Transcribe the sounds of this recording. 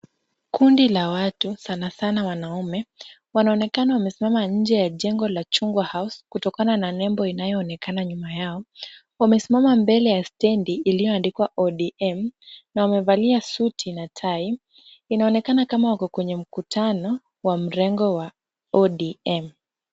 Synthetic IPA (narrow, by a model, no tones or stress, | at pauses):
kundilawatusanasanawanaumɛ | wanaɔnɛkanawamɛsimamaɲ̩d͡ʒɛjaʄɛŋɡɔlat͡ʃuŋɡwahauskutɔkanananɛmbɔinajɔːnɛkanaɲumajaɔ | wamɛsimamambɛlɛjastɛndiːlijɔandikwaʔɔɗiɛmnawamɛvaliasutʰinatʰai | inaɔnɛkanakamawakɔkwɛɲɛm̩kutʰanɔ | wam̩ɾɛŋɡɔwa | ɔɗiɛm